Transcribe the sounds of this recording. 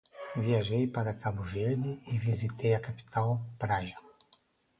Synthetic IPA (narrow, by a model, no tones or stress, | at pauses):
viaʒejpaɾɐkabʊveɾd̪ɪɪvizit̪ejɐkapi̥t̪ʰawpɾaɡɐ